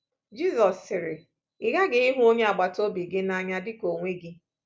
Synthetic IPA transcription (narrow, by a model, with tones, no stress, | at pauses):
d͡ʒi˦zɔ˨sːɪ˨ɾɪ˨ | ɪ˨ɣa˦ɡɪ˨i˦ɦʊ˦o˦ɲe˦a˨ɡ͡ba˨to˦bi˨ɡɪ˦na˦ɲa˦dɪ˦ko˨ŋʷe˦ɡɪ˦